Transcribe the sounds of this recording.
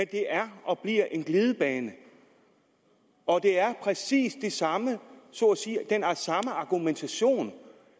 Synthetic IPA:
d̥e̝ʔæɐʔɒ̽b̥liɐ̰ʔe̝nɡ̥leːð̞ˠəb̥ɛːnə | ɒ̽d̥e̝æɐpʰʁɛsḭːsd̥e̝sɑ̈məsɔ̰siːd̥enæɐsɑ̈məɑ̈ɡ̥ument͡sʰæɕo̝̰ːn

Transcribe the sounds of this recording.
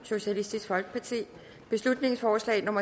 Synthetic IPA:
so̝ɕælisd̥isɡ̥fɒ̽lɡ̥ə̥pʰɑ̈t͡sʰḭː | b̥e̝slud̥ne̝ŋsfɒːslɛ̰ːɪno̽mɐ

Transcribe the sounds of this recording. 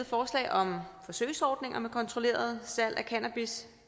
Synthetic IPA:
ð̩ˠfɒːslɛ̰ɪʔɒ̽mfɒ̽søɪsɒːd̥ne̝ŋʔɐmekʰɒ̽nt͡sʰʁo̝le̝̰ːɐð̞̩ˠsæl̰ʔækʰænæb̥is

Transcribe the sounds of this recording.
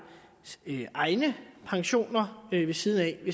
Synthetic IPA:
ʔɑ̈ɪnəpʰɑ̈ŋɕo̝̰ːnɐʋe̝siːðˠn̩ɛʋe̝

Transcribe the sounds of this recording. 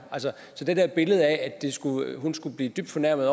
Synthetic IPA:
ælsə | sɒ̽d̥ed̥eɐb̥e̝ləð̞̩ˠææ̥e̝sɡ̥uɦunsɡ̥ub̥liːd̥yb̥̚d̥fɒ̽næɐ̰mð̩ˠɒ

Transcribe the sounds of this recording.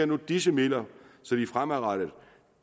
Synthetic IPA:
ɐnud̥isəmel̰ɐsɒ̽d̥ifʁamæʁɑɾ̥əð̩ˠ

